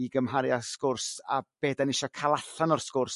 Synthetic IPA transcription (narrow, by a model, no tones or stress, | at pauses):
iɡəmɦaɾjaskʊrsa̰b̥eːdanɪʃɔkʰalˠaɬanɔrskʊrs